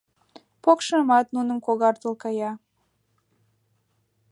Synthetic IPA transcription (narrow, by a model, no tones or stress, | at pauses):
pokʃəmɑt̪nunəmkoɣɑrt̪əlkɑjɑ